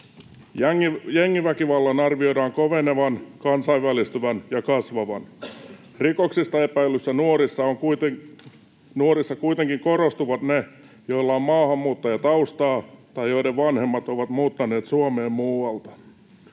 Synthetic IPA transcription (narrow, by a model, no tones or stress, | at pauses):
jjeŋːiʋækiʋɑlːɑnɑrʋio̞jɾɑːŋkoʋeneʋɑnkɑnsɑiʋʋælist̪yʋænjɑkɑsʋɑʋɑn | rikoksist̪ɑe̞pæilːˑysːænuoɾisːɑoŋkut̪ | nuoɾisːɑkuit̪eŋkiŋkoɾost̪uʋɑt̪ne | jolːɑommɑːhɑmːuːt̪ːɑjɑt̪ɑust̪ɑːt̪ɑjjo̞jɾeʋʋɑnhe̞mːɑt̪oʋɑt̪muːt̪ːɑne̞ːt̪suomeːmmuːɑlt̪ɑ̥